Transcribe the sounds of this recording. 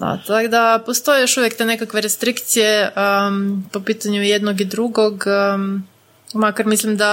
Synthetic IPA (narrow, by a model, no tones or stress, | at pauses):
d̪a̰t̪aɡd̪apost̪o̞jejo̞ʃuʋjekt̪enekakʋe̞ɾest̪ɾikt̪sijeəpo̞piːt̪aɲujed̪noɡid̪ɾuɡo̞ɡ | makaɾmislimd̪a